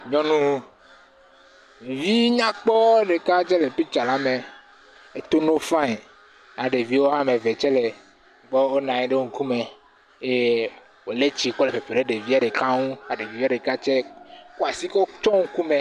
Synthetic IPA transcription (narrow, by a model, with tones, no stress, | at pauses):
ɲɔ̃˦nũ˦˨ | vi˦ɲã˦k͡pɔ˦ɖe˨ka˦t͡ʃɛ˦le˨pi˦t͡ʃa˨la˨˦me˨ | e˦t̪o˦no˦fã˦ĩ˨ | a˨ɖe˨vi˦wo˦ɦã˦me˨ve˨t͡ʃɛ˦le˨ | bɔ˦o˦nã˨ɲɛ˦ɖe˦wo˨ŋ̩˨ku˦me˨ | e˦ | wo˨le˦t͡ɕi˦k͡pɔ˦le˨pe˨ɸe˨ɖe˦ɖe˨vi˦a˨ɖe˨ka˦ŋũ˦a˨ɖe˨vi˨˦vi˦a˦ɖe˨ka˦t͡ʃɛ˦ku˦a˨si˦kɔ˦t͡ʃɔ˦ŋ̩˦ku˦mẽ˨